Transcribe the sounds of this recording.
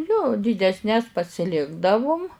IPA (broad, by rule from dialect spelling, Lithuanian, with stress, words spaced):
joː dʲiːdʲɛsʲˈnʲɛs pɐsʲɪˈlʲɪɡdɐʋʊm